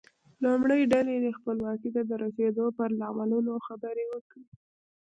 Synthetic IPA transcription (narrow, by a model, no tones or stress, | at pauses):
lumɽəjɖaled̪expəlwɑkit̪ad̪əɾased̪opəɾlamalunoxabəɾewəkɽi